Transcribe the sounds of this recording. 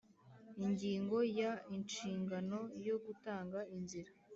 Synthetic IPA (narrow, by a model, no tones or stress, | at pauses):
iɲɟiːŋɡo̞jaint͡ʃiːŋɡano̞jo̞ɡutaːŋɡainziɾa